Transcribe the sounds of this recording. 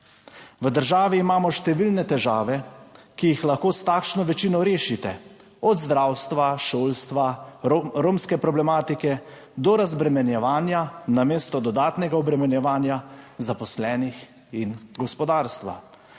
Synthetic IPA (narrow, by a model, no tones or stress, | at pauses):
ʋəd̪əɾʒaːʋiːmaːmɔʃt̪ɛʋilnɛt̪ɛʒaːʋɛkijixlaxkoːst̪aːkʃnɔʋɛt͡ʃiːnɔɾeːʃit̪ɛ | ɔd̪zd̪ɾawst̪ʋaʃoːlst̪ʋa | ɾoːmskɛpɾɔblɛmaːt̪ikɛ | d̪ɔɾazbɾɛmɛnjɛʋaːnjanameːst̪ɔd̪ɔd̪aːt̪nɛɡaɔbɾɛmɛnjɛʋaːnjazapɔslɛːnix | inɡɔspɔd̪aːɾst̪ʋa̰